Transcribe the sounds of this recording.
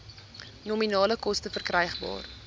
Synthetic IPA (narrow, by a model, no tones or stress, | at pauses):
nominɑːləkɔstəfərkrɛjχbɑ̰ːr